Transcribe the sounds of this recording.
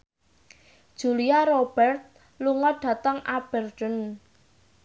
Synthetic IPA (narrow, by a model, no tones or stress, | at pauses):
d̥ʒ̥uliaɾob̥ɛrt̪̚ | luŋɔɖ̥a̤t̪əŋab̥ɛrt̪ən